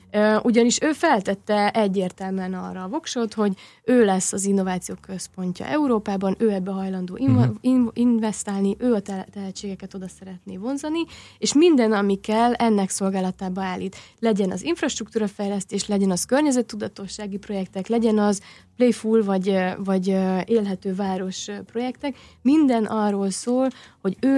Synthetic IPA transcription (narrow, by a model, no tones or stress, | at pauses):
øʔuɟɒniʃøːfɛlt̪ɛt̪ːɛɛɟːeːrt̪ɛlmɛnɒ̰rːɒːvo̞kʃo̞t̪ho̞ɟ | øːlɛsːɒzinːo̞vaːt̪sijoːkø̞spo̞ɲcɒ̰ʔɛuɾoːpaːbɒnøːɛbːɛɦɒjlɒnd̪o̰ːiinvɛst̪aːlniʔøːɒt̪t̪ɛɦɛt͡ʃːeːɡɛkɛt̪o̞d̪ɒsɛɾɛt̪neːvo̞nzɒnieːʃmind̪ɛnɒmikɛlɛnːɛkso̞lɡaːlɒt̪aːbɒaːlːiːt̪lɛɟɛnɒ̰ziɱfrɒʃt̪ruk̚t̪uːɾɒfɛjlɛst̪eːʃlɛɟɛnɒskørɲɛzɛt̪ːud̪ɒt̪o̞ʃːaːɡipro̞jɛkt̪ɛklɛɟɛnɒzplejfulvɒɟvɒɟeːlɦɛt̪øːvaːɾo̞ʃpro̞jɛkt̪ɛk | mind̪ɛnʔɒrːoːlsoːlho̞ɟøː